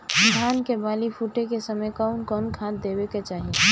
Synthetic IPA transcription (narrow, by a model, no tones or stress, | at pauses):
d̪ʱaːnkebaːlipʰuːʈekesəməjkaʊnkɔːnkʰãːt̪d̪eːbeket͡ʃaːɦie